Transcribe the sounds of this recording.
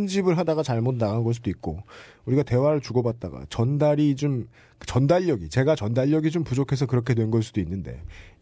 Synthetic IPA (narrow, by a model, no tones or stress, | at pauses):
nd͡ʑibɯɭɦadaɡat͡ɕaɭmotʰnaɡanɡʌs̬ud̥oit̚k͈ouɾiɡate̞waɾɯɭt͡ɕuɡʌbat̚t͈a̰ɡa̰t͡ɕʌndaɾit͡ɕom | ɯt͡ɕʌndaʎːʌɡit͡ɕe̞ɡat͡ɕʌndaʎːʌɡid͡ʑompud͡ʑokʰe̞sʰʌkɯɾʌkʰe̞dwe̞nɡʌɭs̬͈ʰud̥oinːɯnde̞̰